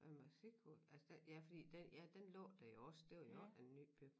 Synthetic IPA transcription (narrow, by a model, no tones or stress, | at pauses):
æmɑsikʰoælsəd̥ejæfɒ̽d̥ḭːd̥ejæd̥enlɔ̰ːd̥æjo̝ɒ̽ssd̥eʊ̰jænːy̰ːb̥y̥